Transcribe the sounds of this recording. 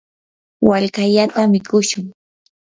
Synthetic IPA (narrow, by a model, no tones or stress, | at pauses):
waʎkaʎat̪amɪkʊʃʊŋ